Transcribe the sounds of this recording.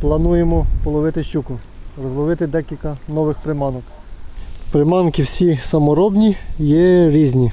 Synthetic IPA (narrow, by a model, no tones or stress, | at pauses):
plˠɐnujemɔpɔlˠɔʋɪt̪ɪʃt͡ʃʲukʊɾɔzlˠɔʋɪt̪ɪd̪ɛkʲilʲkɐnɔʋɪxpɾɪmɑnɔk | pɾemɑnkɪwsʲisɐmɔɾɔbnʲijɛɾʲizʲnʲi